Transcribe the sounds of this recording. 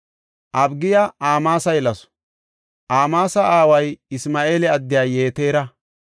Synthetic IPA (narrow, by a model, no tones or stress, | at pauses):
ʔɐbɡɪjaaːmaːsɐjlɐs | ʔaːmaːsɐʔaːwɐjɪsmaːʔe̞ːlɛɐd̪ːɪjaːje̞ːt̪e̞ːɾɐ